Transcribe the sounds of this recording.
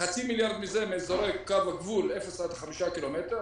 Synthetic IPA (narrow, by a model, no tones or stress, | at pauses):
χat͡similjaʁd̪mizemezoʁekːavaɡvulefesad̪χamiʃakilomet̪eʁ